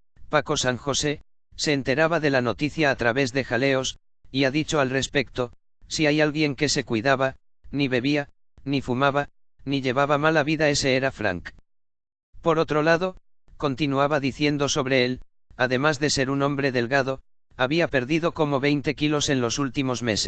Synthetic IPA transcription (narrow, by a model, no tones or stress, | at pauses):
pako̞saŋxo̞se̞ | se̞ːnt̪e̞ɾaβaðe̞lano̞t̪iθjaːt̪ɾaβe̞zðe̞xale̞o̞s | iaðit͡ʃo̞alre̞spe̞k̚t̪o̞ | siajalɣje̞ŋke̞se̞kwiðaβa | niβe̞βia | nifumaβa | niʎe̞β̞aβamalaβiðae̞se̞eɾafɾa̰ŋk | po̞ɾo̞t̪ɾo̞laðo̞ | ko̞nt̪inuaβaðiθje̞nd̪o̞so̞βɾe̞e̞l | aðe̞mazðe̞se̞ɾuno̞mbɾe̞ðe̞lɣað̞o̞ | aβiape̞ɾðiðo̞ko̞mo̞βe̞jnt̪e̞kilo̞se̞nlo̞sult̪imo̞zme̞se